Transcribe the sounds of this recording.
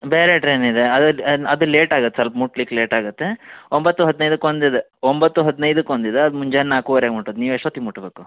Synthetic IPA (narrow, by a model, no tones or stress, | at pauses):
beːɾeʈɾeːnid̪eɐd̪uɐd̪uleːʈaːɡut̪ːesɐlpɐmuʈlikleːʈaːɡut̪ːe̞ombɐt̪ːuɦɐd̪inɐjd̪ukond̪id̪e | ombɐt̪ːuɦɐd̪inɐjd̪ukond̪id̪eɐd̪umuɲd͡ʒennːaːkuʋɐɾeaːɡmuʈod̪niːʋeʂɐt̪imuʈbeːku